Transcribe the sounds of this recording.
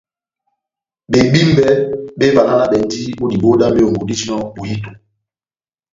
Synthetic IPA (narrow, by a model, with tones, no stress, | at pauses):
ɓe˨ɓi˦m˦bɛ˦ɓe˦va˨na˦na˦ɓɛ˨n˦ti˦ɓo˦di˨ɓo˦da˦me˦o˨ŋɡo˨di˦ti˦nɔ˦ɓo˨ji˦to˨